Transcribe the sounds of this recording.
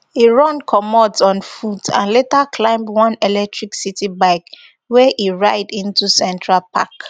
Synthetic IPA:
iɹɔ̃nkʰɔmɔdɔ̃nfudã̰nletakʰlãɪ̃mdwɔ̃nɛlɛk̚tɹiksitibaɪk | wɛʔiɹaɪdĩntusɛ̃ntɹalpʰa̰k

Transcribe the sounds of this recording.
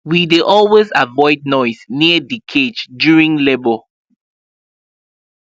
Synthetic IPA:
wideʔɔlwezavɔɪd̚ⁿnɔɪzniədikʰed͡ʒdjuɹĩŋlebəl

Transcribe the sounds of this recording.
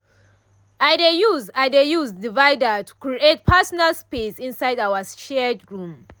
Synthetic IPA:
ajdejuzajdejuzdivaɪdətʰu̥kɹiet̚pʰasɔnalspesĩnsajdawaʃɛdɡɹũm

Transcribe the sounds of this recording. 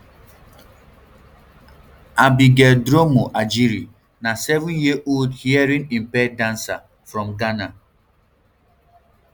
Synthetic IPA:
abiɡɛldɾomoʔad͡ʒiɾi | nasɛvũnjiʔoldhiɛɹĩnĩmpɛdãnsa | fɹɔ̃mɡana

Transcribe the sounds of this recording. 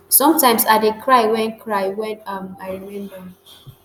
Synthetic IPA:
sɔ̃mtãɪ̃msadekʰɹaɪwɛ̃nkʰɹaɪwɛ̃nãmaɪɹimɛ̃ndɔ̃m

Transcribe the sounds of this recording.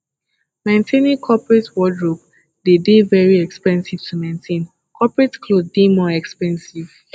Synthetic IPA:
mẽntʰẽnĩŋkʰɔpɹetwɔdɹop | dedevɛɹiɛkspɛ̃nsiv̥tʰumẽntʰẽn | kʰɔpɹɛtkʰloddemɔɛkspɛ̃nsiv̥

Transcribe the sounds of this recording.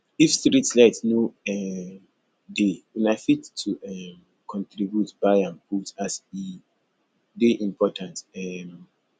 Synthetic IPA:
ifstɹitslɛtnoɛm | dewɛ̃naɪfitʰːuɛm | kʰɔ̃ntɹibjutb̥ajãnputasi | deʔĩmpɔtʰãntɛm

